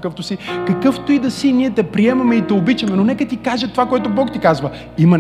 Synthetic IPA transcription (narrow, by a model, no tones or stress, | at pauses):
kəft̪osikɐkɤft̪oid̪ɐsiniɛt̪ɛpɾiɛmɐmɛit̪ɛobit͡ʃɐmɛnonɛkət̪ikaʒɛt̪ovakoɛt̪obɔkt̪ikazvə | imɐ